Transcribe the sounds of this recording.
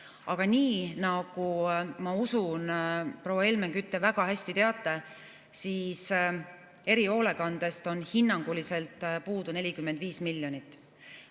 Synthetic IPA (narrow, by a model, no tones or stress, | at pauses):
ɑɡ̥ɑniːnɑɡ̥umɑusunpɾo̞wɑe̞lmeŋɡ̥yt̪ˑːe̞væɡ̥ɑhæsʲt̪it̪e̞ɑt̪ːˑe̞ | siːs | e̞ɾio̞ːle̞kɑnd̪̥e̞st̪o̞nhinːɑŋɡ̥ulise̞lt̪ˑpuːd̪une̞lʲikymːed̪viːsmilʲjo̞nit̪ːˑ